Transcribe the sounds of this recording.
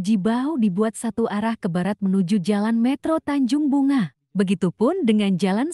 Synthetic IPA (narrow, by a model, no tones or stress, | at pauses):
d͡ʒibaudibuat̪̚sat̪uʔaɾahkəbaɾat̪̚mənud͡ʒud͡ʒalanmɛt̪ɾot̪aɲd͡ʒʊŋbuŋa | bəɡit̪upʊndəŋand͡ʒalan